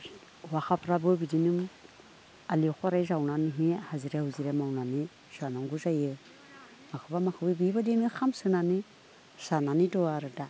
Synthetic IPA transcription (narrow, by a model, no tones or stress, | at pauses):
waxapʰɾabɯbidinɯm | alikʰɔaɾajzawnaniɦihaziɾehuziɾemawnani | z̥anamɡuzajɯ | makʰɯbamakʰɯbibibadinɯxʰamsɯnani | sananidɔaɾɯda